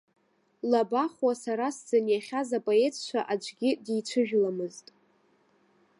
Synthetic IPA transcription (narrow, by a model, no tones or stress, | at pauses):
labaχwasaɾasd͡zanjaχʲazapʼoe̞t͡sʰt͡ʃʷʰaʔad͡ʒʷʰʼɡʲɪdijt͡ʃʷʰɨʒᶣlamɨztʼ